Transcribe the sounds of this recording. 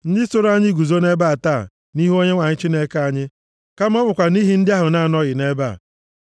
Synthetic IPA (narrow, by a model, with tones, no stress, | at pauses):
n̩˦dɪ˦so˦ɾa˦ɲɪ˦ɡu˨zo˦ne˦ba˦a˨taː˦˨ | ni˦ɦo˦ɲe˦ŋʷa˨ɲɪ˦t͡ʃi˦ne˦ka˦ɲɪ˦ | ka˦m̩˦ɔ˦bʊ˨kʷa˨ni˦ɦi˦n̩˦dɪ˦a˦ɦʊ˨na˦˨nɔ˦ɣɪ˨ne˦ba̰ː˦˨